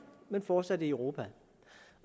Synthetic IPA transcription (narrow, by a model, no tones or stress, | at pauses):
menfɒ̥ːsæd̥iœʊʁo̝ːpʰæ